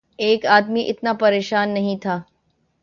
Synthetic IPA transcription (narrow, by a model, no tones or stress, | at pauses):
eːkaːd̪miʔɪt̪napɐɾeːʃaːnːɐɦĩt̪ʰaː